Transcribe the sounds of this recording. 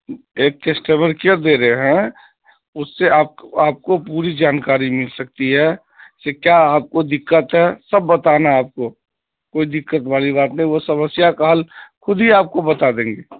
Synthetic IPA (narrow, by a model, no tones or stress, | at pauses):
eːk̚ːesʈəməɾkiəɾd̪eːɾəɦeɦɛ̃ | ʊsːeaːp̚aːp̚kopuːɾid͡ʒaːnkaːɾimɪlsɐk̚t̪iɦɛ | sekjaaːp̚kod̪ɪkːət̪ɦɛsɐbːɐt̪anaaːp̚ko | koːid̪ɪkːət̪baːliβaːt̪nəɦĩʋosɐməsjakaɦəlkʊd̪ʱɦiaːp̚kobɐt̪ad̪ẽːŋɡeː